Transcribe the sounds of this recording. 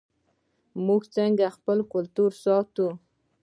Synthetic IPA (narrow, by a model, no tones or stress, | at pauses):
muɡt͡səŋɡaxpəlkʊlt̪uɾsɑt̪u